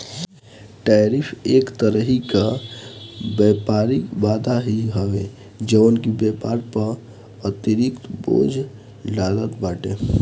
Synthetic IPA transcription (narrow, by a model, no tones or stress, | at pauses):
ʈaɾipʰeːkt̪əɾəɦika | bɛpaɾikbaːd̪ʱaɦiɦəʋe | d͡ʒənkibɛpaːɾpəɾ | ət̪iɾikt̪bo̰ːd͡ʒʱ | lalət̪baːʈe